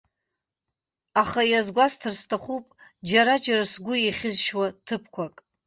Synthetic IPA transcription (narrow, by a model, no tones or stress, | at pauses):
aχajazɡʷastʰɨrstʰaχupʼd͡ʒaɾad͡ʒarasɡʷʊiχʲɪzʃwatʰɨpʰkʷʰakʼ